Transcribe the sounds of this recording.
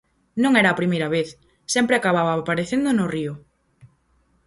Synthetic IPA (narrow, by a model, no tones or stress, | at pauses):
nõŋɛɾɐːpɾimejɾɐβeθ | sɛmpɾeakaβaβapaɾeθend̪onʊriʊ